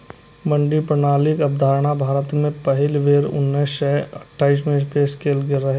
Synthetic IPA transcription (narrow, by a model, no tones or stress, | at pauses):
mɐ̃ɳɖipɾñaːlɪk̪ɐb̚d̪ʱaːɾɽ̃abʱaːɾət̪mẽpɐɦɪlʋeːɾʊ̰nːesʃɛɐʈʰːaːiːs̬mẽspeːskeːlɡɪɾːɐɦe